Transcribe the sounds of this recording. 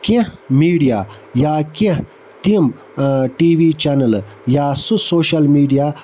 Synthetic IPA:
kẽmiːɖijaː | jaːkẽ | t̪im | ʈiːʋit͡ʃɐnɐljaːsusoːɕɐlmiːɖija

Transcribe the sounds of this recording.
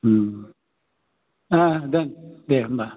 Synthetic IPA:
m̩ | adɛndem̩ba

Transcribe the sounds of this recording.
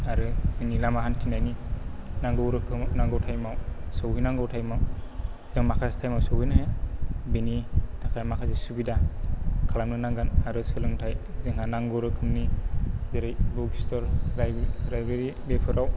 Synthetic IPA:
aɾɯz̥ɯŋnilamaɦantʰinajninaŋɡɯwɾɯkʰɯmnaŋɡɯwtʰajmawsɯwɦijnaŋɡɯwtʰajmaw | z̥ɯŋmakʰastʰajmawsɯwhɯjnaɦjabinitʰakʰajmakʰazesubidakʰalamnɯnaŋɡanaɾɯsɯlɯŋtʰajzɯŋhanaŋɡɯwɾɯkʰɯmnizeɾajbukistɔɾɾajɾajbeɾi | bepʰɯɾaw

